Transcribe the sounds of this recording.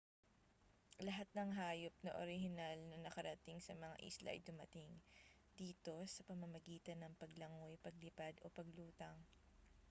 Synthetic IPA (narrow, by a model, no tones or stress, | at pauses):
lɐɦat̪̚nɐŋɦaːjop̚nɐʔoɾɪhɪnalnɐnɐkɐɾɐt̪ɪŋsɐmɐŋa̰ʔḭslɐ̰ʔɐ̰jd̪ʊmɐt̪ɪŋ | d̪iːt̪o̞sɐpɐmɐmɐɡiːt̪ɐnɐŋpɐɡlɐŋojpɐɡ̚lɪpad̪o̞̰pɐɡluːt̪ɐŋ